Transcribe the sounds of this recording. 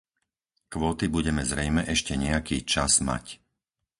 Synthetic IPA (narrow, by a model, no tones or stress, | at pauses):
kʋɔːt̪ibuɟɛmɛzɾɛjmɛʔɛʃcɛɲɛakiːt͡ʃaz̥ma̰c